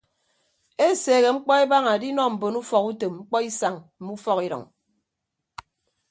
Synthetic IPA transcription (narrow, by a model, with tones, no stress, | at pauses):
e˦seː˨ɣe˨ŋ͡m̩˦k͡pɔ˦e˦ba˦ŋa˨di˦nɔ˦m̩˨bo˨nu˦fɔ˨ku˦te˨mŋ͡m̩˦k͡pɔ˦i˦sa˨ŋm̩˨˦mu˦fɔ˦ki˦ɾɔ̰˨ŋ